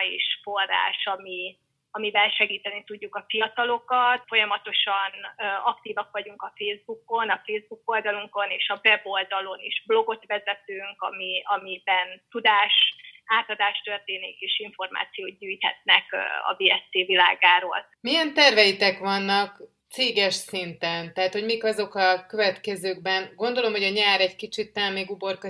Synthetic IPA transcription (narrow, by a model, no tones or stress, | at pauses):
ḛːʃforːa̰ːʃɒmi | ɒmibɛnʃɛɡiːt̪ɛnit̪uɟːukɒfijɒt̪ɒlo̞kɒt̪fo̞jɒmɒt̪o̞ʃɒnøɒkt̪iːvɒkʋɒɟuŋkɒfeːzbuko̞nɒfeːzbuko̞ld̪ɒluŋko̞neːʃɒvɛbo̞ld̪ɒlo̞niʒ̥blo̞ɡo̞t̪ʋɛzɛt̪øːŋkɒ̰miɒmibɛnt̪ud̪aːʃaːt̪ɒd̪aːʃt̪ørt̪eːnikeːʃiɱfo̞rma̰ːt̪sijoːɟyːjt̪hɛ̰t̪̚nɛkɒ̰beːɛst̪eːvilaːɡaːɾo̰ːl | mijɛnt̪ɛrvɛjit̪ɛkʋɒnːɒk | t̪seːɡɛʃsint̪ɛnt̪ɛɦat̪ho̞ɟmiːkɒzo̞kɒkø̞vɛt̪kɛzøːɡbɛnɡo̞nd̪o̞lo̞mho̞ɟɒɲaːɾɛɟkit͡ʃit̪ːɛmeːɡubo̞rkɒ